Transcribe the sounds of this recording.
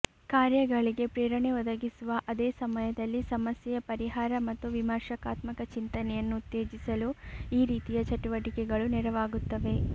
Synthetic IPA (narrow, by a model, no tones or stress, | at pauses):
kaːɾjɐɡɐɭiɡe̞pɾɛːɾɐɳeɔd̪ɐɡisuʋɐʔɐd̪ɛːsɐmɐjɐd̪ɐlːisɐmɐsjɛjɐpɐɾiɦaːɾɐmɐt̪ːuʋimɐɾʃɐkaːt̪mɐkɐt͡ʃint̪ɐnɛjɐnːuːt̪ːeːd͡ʒisɐluiːɾiːt̪ijɐt͡ʃɐʈuʋɐʈikɛɡɐɭunɛɾɐʋaːɡut̪ːɐʋe̞